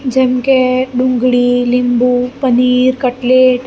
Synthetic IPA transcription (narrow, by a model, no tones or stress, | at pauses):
d͡ʒemkeɖũŋɡɽilimbupəniːɾkəʈleʈ